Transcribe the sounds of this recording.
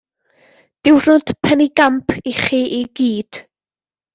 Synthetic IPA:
d̥ɪwrʊd̥pʰɛniɡampʰiχiʔiɡiːd̥

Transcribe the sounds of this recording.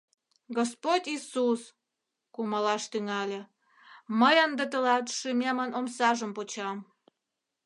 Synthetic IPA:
ɡospotʲisus | kumɑlɑʃt̪yŋɑlʲĕ | məjənd̪ət̪̬əlɑt̪ʃymʲemənomsɑʒəmpot͡ɕɑm

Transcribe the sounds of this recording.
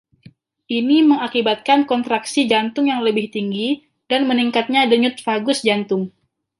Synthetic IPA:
ʔiniməŋakibat̪̚kankɔnt̪ɾaksid͡ʒant̪ʊŋjaŋləbɪht̪iŋɡi | danməniŋkat̪̚ɲadəɲʊt̪̚faɡʊsd͡ʒant̪ʊŋ

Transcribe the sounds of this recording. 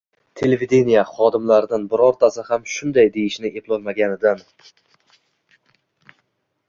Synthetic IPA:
t̪ʰe̞levid̪e̞nijaχɒd̪ɪmlaɾɪd̪ɪnbɪɾɒɾt̪ʰasɪhamʃʊnd̪ajd̪e̞jɪʃnɪeplˠɒlˠmaɡʲanɪd̪an

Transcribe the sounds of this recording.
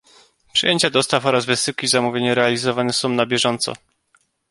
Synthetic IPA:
pʂɨjeɲt͡ɕad̪ɔst̪afɔɾazvɘsɘwkʲizamuvʲjeɲɛɾɛalʲizɔvanɛsɔ̃w̃nabʲjɛʐɔnt̪sɔ̰

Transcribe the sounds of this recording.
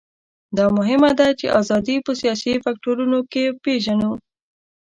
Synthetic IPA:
d̪ɑmʊɦɪmad̪at͡ʃḛʔɑzɑd̪ipəsijɑsifak̚ʈoɾunokepeʒanu

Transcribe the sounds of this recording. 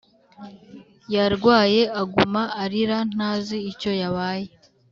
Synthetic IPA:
jaɾɡwaːje̞aɡumaːɾiɾan̥aːziːco̞jaβaːje

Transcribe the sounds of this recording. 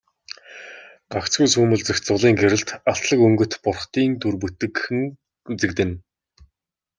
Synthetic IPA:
ɢakt͡sɡujsuːmɵ̆ɮt͡sɵ̆xt͡sʊɮiːŋɡeɾɘ̆ɮt̪aɬt̪ɮə̆kɵŋɡɵ̆t̪pʊrχt̪iːnt̪urput̪ɘ̆kxɘ̆ŋ | t͡sɘ̆kt̪ɘ̆n

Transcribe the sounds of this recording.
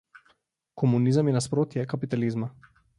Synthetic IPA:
kʰɔmunizəmjɛnaspɾoːt̪jɛkapit̪alizma

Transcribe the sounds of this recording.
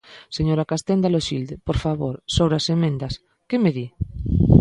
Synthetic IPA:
seɲoɾakast̪end̪aloʃild̪epoɾfaβoɾsoβɾasemẽnd̪as | kemeði

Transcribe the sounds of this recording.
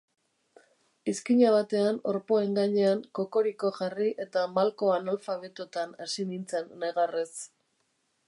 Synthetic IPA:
iskiɲaβ̞at̪e̞ano̞ɾpo̞e̞ŋɡaɲe̞aŋko̞ko̞ɾiko̞ʝariʔe̞t̪amalko̞analfaβe̞t̪ot̪anasinint͡senːeɣares

